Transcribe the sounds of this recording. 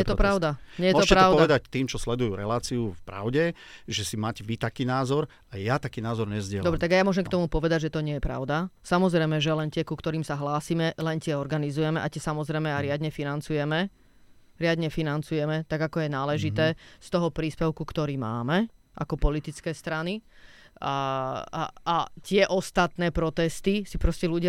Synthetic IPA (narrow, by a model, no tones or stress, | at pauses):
ɛjɛt̪ɔpɾaʊd̪aɲɛjɛmɔt̪ɔcpɛɾaɔʊdɔʋɛd̪act̪iːmt͡ʃɔslɛd̪ujuːɾɛ̰laːt͡siufpɾa̰ʊɟɛ | ʒɛsimaːcɛʋit̪akiːnaːzɔɾ | ajat̪akiːnaːzɔɾɲɛzɟɪɛld̪ɔbɾɛt̪aɡajamʊɔʒɛmkt̪ɔmupɔʋɛd̪aɟʒɛt̪ɔɲɪɛjɛpɾa̰ʊd̪asamɔzɾɛjmɛʒɛlɛnt̪ɪɛkukt̪ɔɾiːmsaɦlaːsimɛlɛnt̪ɪɛɔɾɡanizujɛmɛʔacɛsamɔzɾɛjmɛaɾɪad̪ɲɛfinant͡sujɛmɛ | ɾɪad̪ɲɛfinant͡sujɛmɛt̪aɡakɔjɛnaːlɛʒit̪ɛːst̪ɔɦɔpɾiːspɛʊkukt̪ɔɾiːma̰ːmɛ | ʔa̰kɔpɔlit̪it͡skɛːst̪ɾani | at̪ɪɛʔɔst̪at̪nɛːpɾɔt̪ɛst̪isipɾɔscɛluɟɪa